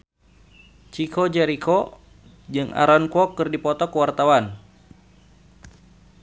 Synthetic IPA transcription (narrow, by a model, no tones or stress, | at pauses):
t͡ʃikʰɔd͡ʒɛɾikɔ | d͡ʒɨŋa̰ɾɔnkɔkɨrdipɔt̪ɔkəwart̪awan